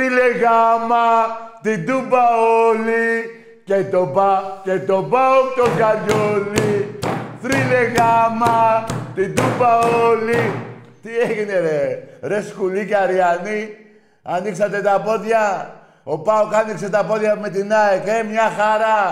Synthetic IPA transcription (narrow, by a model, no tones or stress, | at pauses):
ɾileɡamat̪id̪ubaoli | ket̪obaket̪obaok̚t̪oɡad͡ʒoli | t̪ɾileɡamat̪id̪ubaoli | t̪iekineɾeɾeskulikeaɾiani | aniks̬at̪et̪apot̪ja | opaokaniks̬et̪ap̬ot̪jamet̪̬inaekemiaxaɾa